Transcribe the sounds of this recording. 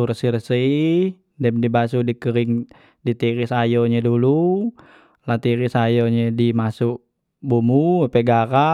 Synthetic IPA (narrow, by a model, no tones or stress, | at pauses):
uɾəsiɾəsəi | dɛmdibasudikəɾɪŋ | dit̪iɾisajɔɲɛdulu | lat̪iɾisajɔɲɛdimasuʔ | bumuapɛɡaɾa